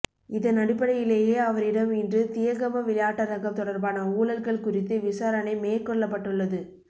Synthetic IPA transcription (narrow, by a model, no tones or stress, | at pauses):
ɪðɐnɐɽɪpːɐɽɐjɪleːjeːɐʋɐɾɪɽɐmɪndrɯt̪ɪjɐɣɐmɐʋɪlɐjaːʈːɐɾɐɣɐmt̪ɔɽɐɾbaːnɐuːlɐlɣɐɭkʊrɪt̪ːɯʋɪsaːɾɐnɐɪmeːɾkɔɭːɐpːɐʈːɯɭːɐðɯ